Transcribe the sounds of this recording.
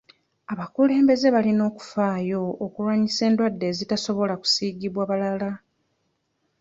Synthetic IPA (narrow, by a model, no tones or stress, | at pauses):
aβakule̞ːmbe̞ze̞βalino̞ːku̥faːjo̞ːkuɾwaɲise̞ːndwadːe̞ːzitaso̞βo̞laku̥siːɡiβwaβalala